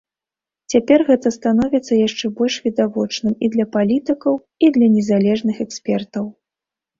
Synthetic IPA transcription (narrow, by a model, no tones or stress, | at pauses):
t͡sʲapʲɛrɣɛt̪ɐst̪an̪ɔvʲit̪sːɐjaʂt͡ʂɛbɔlʲʂvʲid̪avɔt͡ʂnɨmid̪lʲɐpalʲit̪ɨkɐw | id̪lʲɐnʲɛzalʲɛʐnɨxɛksʲpʲɛrt̪ɐw